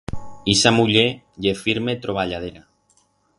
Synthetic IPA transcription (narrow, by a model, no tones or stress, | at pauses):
isamuʎe | ʎefiɾmet̪ɾoβ̞aʎað̞eɾa